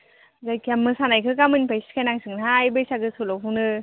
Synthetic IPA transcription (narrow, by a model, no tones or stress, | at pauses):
zajkamːɯsanajkʰɯkamɯnpajsi̥kʰajnaŋsɯŋnaːjbɯjsaɡɯsɯlɔwɦunɯ